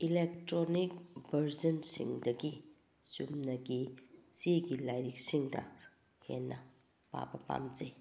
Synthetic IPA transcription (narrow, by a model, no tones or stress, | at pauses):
ilek̚tɾonik̚bɐɾzɐnsḭŋdɐɡi | sumnɐɡisiɡilajɾik̚siŋdɐ̰ | hḛnːɐ | pa̰bɐpa̰mze